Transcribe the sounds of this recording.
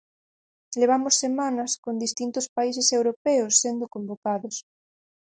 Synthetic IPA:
leβ̞amʊsːemanɐskond̪ist̪int̪ʊspaisesewɾopɛʊsːend̪ʊkombokaðʊs

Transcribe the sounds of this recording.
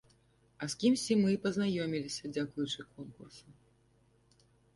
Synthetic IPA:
ɐskʲimsʲt͡sʲimɨpɐznajɔmʲilʲisʲɐd͡zʲakujut͡ʂɨkɔnkursu

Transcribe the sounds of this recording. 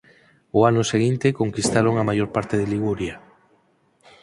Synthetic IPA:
oanʊseɣ̞int̪ekoŋkist̪aɾoŋamajoɾpaɾt̪eðeliɣ̞uɾja

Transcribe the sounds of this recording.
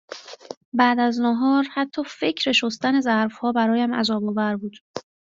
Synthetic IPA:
bæːd̪æznoɦɒːɾhæt̪ʰːɒːfe̞cʰɾeʃost̪æne̞zæɾfhɒːbæɾɒːjæmæ̰zɒːboːvæɾbuːd̪̥

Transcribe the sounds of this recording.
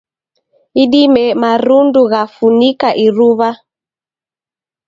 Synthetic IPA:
iɗimɛmaɾunduɣafunikaʔiɾuβa

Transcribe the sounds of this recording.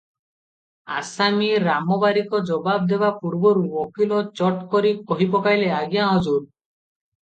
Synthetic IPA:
asamiɾamɔbaɾikɔd͡ʒɔbab̚d̪ebapuɽbɔɾuɔkilɔt͡ʃɔʈkɔɾikɔɦipɔkajleaɡijãɦɔd͡ʒuɾ

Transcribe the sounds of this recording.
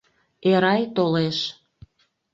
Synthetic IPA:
eɾɑjt̪oleʃ

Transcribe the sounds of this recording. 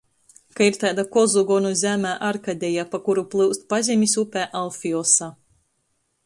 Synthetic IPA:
kaiɾt̪aːd̪akɔzuɡɔnuzʲæmæːʔaɾkad̪ʲɛjapakuɾuplˠɨwst̪̚pazʲimʲisupʲæːʔalˠfʲiɔsa

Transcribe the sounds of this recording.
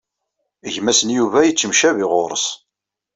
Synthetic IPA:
ʝmæsənjuvæjət͡sːəmʃævɪʁoɾˤəs

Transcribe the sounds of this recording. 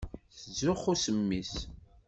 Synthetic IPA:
θəzːʊχusəmːis

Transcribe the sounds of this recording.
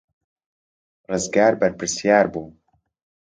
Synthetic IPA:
rɨzɡaːɾbɐɾpɾɨsjaːɾbuː

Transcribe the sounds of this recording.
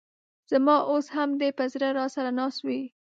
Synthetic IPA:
z̥amɑʔoshamd̪epəzɾaɾɑsaɾanɑswi

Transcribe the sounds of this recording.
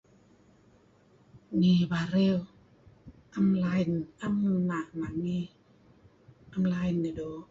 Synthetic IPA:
nibaɾew | ʔamlajnʔamnaʔnaŋi | ʔamlajnedo

